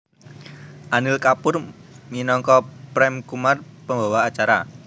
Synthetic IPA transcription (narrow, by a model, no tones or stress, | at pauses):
ʔanɪlkapʊrminɔŋkɔpɾɛmkumarpəmba̤waːt͡ʃaɾa̰